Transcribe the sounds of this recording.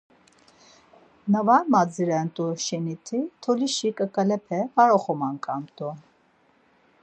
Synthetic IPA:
nəvaɾmad͡ziɾɛnt̪ʼuʃɛnit̪ʰit̪ʰɔliʃikʼəkʼəlɛpʰɛpaɾɔχɔmankʼamt̪ʼu

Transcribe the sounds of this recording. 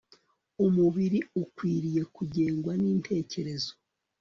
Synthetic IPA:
umuβiɾiukwiːɾije̞kuɟe̞ːŋɡwaniːntʰe̞ːce̞ɾe̞zo

